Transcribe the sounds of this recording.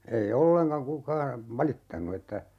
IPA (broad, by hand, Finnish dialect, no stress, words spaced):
ei olːeŋkɑŋ kukɑː ʋɑlitːɑnu etːæ